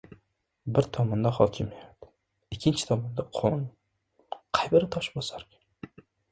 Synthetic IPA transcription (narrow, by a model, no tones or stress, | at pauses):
bɪɾt̪ʰɒmɒnd̪aχɒlt͡ʃʰɪmajat̪ | ɪkʲʰːɪnt͡ʃʰɪ̥t̪ʰɒmɒnd̪aqʰɒn | qʰɑjbɪɾɪt̪ʰɒʃbosaɾkʲḁ